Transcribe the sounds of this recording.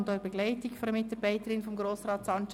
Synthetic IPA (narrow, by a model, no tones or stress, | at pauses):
ndɔbɛɡ̥lɛɪtɪkfɔɾəmɪtɑb̥aɪtəɾɪnfɔmɡɾoːsrɑːtsɑnt͡ʃ